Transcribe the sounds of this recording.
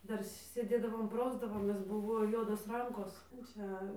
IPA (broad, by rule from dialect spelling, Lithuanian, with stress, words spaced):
ˈdɐr sʲeːˈdʲeːdɐʋoːm ˈprɐʊzdɐʋoːmʲeːs ˈbʊʋoː ˈjuɔdoːs ˈrɐŋkoːs ˈt͡ʃʲɛ